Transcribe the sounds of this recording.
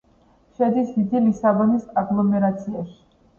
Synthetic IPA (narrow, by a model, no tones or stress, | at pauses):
ʃɛd̪ismid̪ilisavɔnisaɡlˠɔmɛɾat̪sʰiaʃi̥